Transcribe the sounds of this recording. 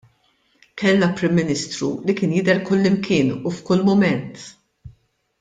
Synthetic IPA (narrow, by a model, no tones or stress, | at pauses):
kɛlnɐpɾɪmːɪnɪst̪ɾṵlikɪːnjɪd̪ɛɾkʊlːɪmkɪːnufkʊlːmʊmɛnt̪